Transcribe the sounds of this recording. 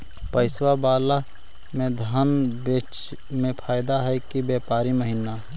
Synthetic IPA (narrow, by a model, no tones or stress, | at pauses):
pəɪswabaːla | mẽd̪ʱaːnbeːt͡ʃ | mẽpʰaːɪd̪aɦɛkibeːpaːɾiməɦɪna